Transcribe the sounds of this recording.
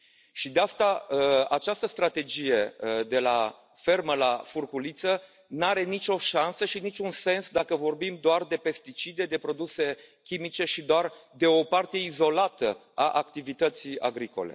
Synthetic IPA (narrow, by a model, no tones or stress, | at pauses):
ʃid̪east̪aat͡ʃast̪əst̪ɾat̪e̞d͡ʒije̞d̪e̞la | fe̞rməlafurkulit̪sə | naɾe̞nit͡ʃo̞ʃansəʃinit͡ʃʲunse̞nsd̪akəvo̞rbimd̪oard̪e̞pe̞st̪it͡ʃid̪e̞d̪e̞pɾo̞d̪use̞kʲimit͡ʃe̞ʃid̪oard̪e̞o̞part̪eeizo̞lat̪ə | aʔakt̪ivit̪ət̪sija̰ɡɾiko̞̰le̞̰